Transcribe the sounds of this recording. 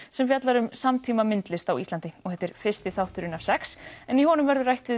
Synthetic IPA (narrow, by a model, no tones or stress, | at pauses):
sɛmfjat̪laɾʏmsamt̪ʰiːmamɪnt̪lɪst̪awist̪ant̪ɪɔɣhɛt̪ːɪɾ̥fɪ̥st̪ɪθawht̪ʏɾʏnav̥sɛksɛniɦɔːnʏmvɛɾðʏɾrajht̪vɪ